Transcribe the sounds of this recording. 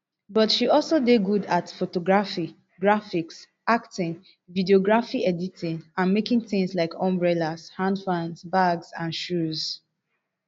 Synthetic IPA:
bɔtʃiɔlsodeɡudatfotoɡɹafi | ɡɹafiks | aktɪ̃ŋ | vidioɡɹafiɛditĩnãnmekĩŋθɪ̃ŋslaɪkʰɔ̃mbɹɛlaz̥hãndfãnsbaɡzãnʃuz̥

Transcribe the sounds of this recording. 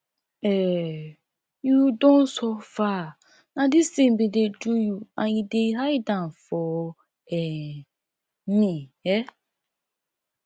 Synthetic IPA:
ɛ | judõnsɔfa | nadisembidedujuãnideɦajdãnfɔ | ɛ | mĩɛ

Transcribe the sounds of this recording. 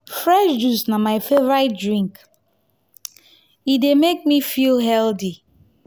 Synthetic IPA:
fɹɛʃd͡ʒusnamaɪfevɹat̚dɹĩŋk | idemek̚mifilɦɛldi

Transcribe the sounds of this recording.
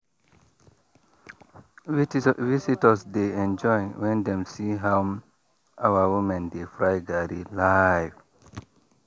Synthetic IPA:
visitəsdeɛ̃nd͡ʒɔjnwɛ̃ndɛ̃msiɦawm | awawumɛ̃ndefɾajɡaɾilajv

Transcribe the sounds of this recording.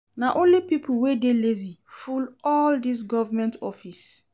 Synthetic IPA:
naʔõnlipipʰulwedelezifulɔldis̬ɡɔvamɛ̃ntɔfis

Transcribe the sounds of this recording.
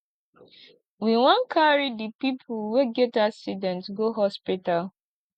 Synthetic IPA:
wiwɔ̃nkʰaɹidipipʰʊlweɡɛtaksidɛ̃ntɡoɦɔspital

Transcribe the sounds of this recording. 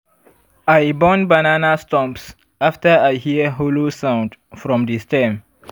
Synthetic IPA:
ajbɔ̃nbananastɔ̃mps | aftəajhiəɦolosãw̃ndfɹɔ̃mdistɛ̃m

